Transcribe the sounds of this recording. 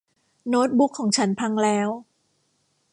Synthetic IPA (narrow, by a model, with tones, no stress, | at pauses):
noː˦˥t̪̚bu˦˥kʰːɔː˩˦ŋt͡ɕʰa˦˥npʰa˧ŋlɛː˦˥w